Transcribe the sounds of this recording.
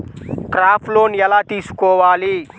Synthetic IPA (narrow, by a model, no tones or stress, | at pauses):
kɾaːpʰloːnjɐlaːt̪isu̥koːʋaːliː